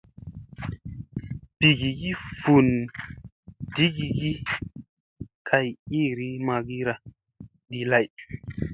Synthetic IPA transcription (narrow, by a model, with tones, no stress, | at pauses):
b̥i˨ɡi˨ɡi˦fu˨n | di˦ɡi˧ɡi˦ | kʰa˧ji˦ɾi˦ma˧ɡi˦ɾa˨ | ɗi˨la˦j